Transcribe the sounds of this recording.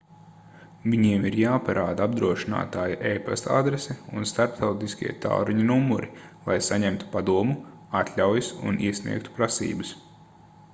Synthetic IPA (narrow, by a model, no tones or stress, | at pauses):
viɲiɛmiɾjaːpaɾʔaːd̪aabd̪ɾuɔʃina̰ːt̪aːjaʔɛjpɛ̰sa̰d̪ɾesɛunst̪aɾpt̪awt̪iskʲḭɛt̪a̰lɾiɲunumːuɾʔilˠajsaɲɛmt̪u̥pad̪uɔmu | at̪lʲawjisṵniɛsnḭɛkt̪u̥pɾasḭːbɨs